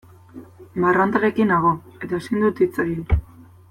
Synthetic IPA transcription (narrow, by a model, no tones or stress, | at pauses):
marant̪aɾe̞kinaɣo̞e̞t̪ae̞sind̪ut̪it͡soji